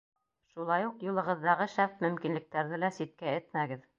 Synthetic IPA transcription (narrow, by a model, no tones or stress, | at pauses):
ʃulˠɑjuqjulˠɤ̆ʁɤ̆ðːɑʁɤʃæpmɵ̆mkinlɘ̆k̚t̪æɾðɘlæsit̪̚kæɘt̪mæɡɘð